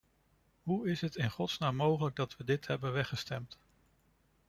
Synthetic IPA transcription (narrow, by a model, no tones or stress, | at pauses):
ɦuɪsɦətɪnχɔtsnaːmːowχələɡ̚dɑtʋədɪtɦɛbənʋɛχəstɛmt